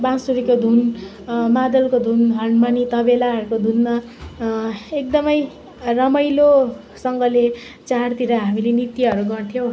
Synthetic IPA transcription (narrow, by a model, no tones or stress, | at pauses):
bãsuɾikod̪ʱun | mad̪ʌlkod̪ʱunɦʌnmanit̪ʌbelaɦʌɾukod̪ʱunma | ek̚d̪ʌmʌj | rʌmʌjlo | sʌŋɡʌle | t͡sart̪iɾʌɦamilenit̪iɦʌɾuɡʌrt̪ʰjow